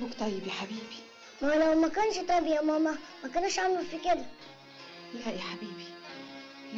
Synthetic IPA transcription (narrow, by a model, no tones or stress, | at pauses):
bʊkt̪ˤɑjːɪbjiħabiːbi̥ | malawmakanʃt̪ˤɑbjamaːmamakʊnaʃʕamlufikɪd̪a | jaʔiħabiːbi